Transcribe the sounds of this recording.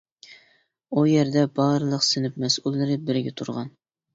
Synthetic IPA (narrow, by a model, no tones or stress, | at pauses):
ujɛɾd̪ɛbɑɾɨlˠəqsɪnɪpmɛsulˠːɨɾɪbɪɾɪɡʲɛt̪ʰuɾʁɑn